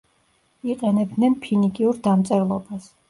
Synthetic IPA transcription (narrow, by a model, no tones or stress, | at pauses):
iqʼɛnɛbd̪nɛnpʰinikʼiuɾd̪amt̪sʼɛɾlˠɔbas